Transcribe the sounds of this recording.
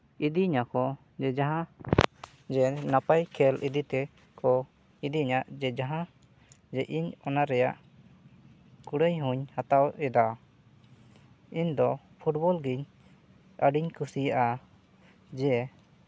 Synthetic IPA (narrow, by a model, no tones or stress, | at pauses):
id̪iɲakɔ | d͡ʒɛd͡ʒaɦã | d͡ʒɛnapajkʰɛlid̪it̪ɛ | kɔ | id̪iɲaʔd͡ʒɛd͡ʒaɦã | d͡ʒɛʔiɲɔnaɾɛjaʔ | kuɽəjɦuɲhat̪awɛd̪a | iɲd̪ɔ | pʰuʈbɔlɡiɲ | əɖiɲkusijaʔa | d͡ʒɛ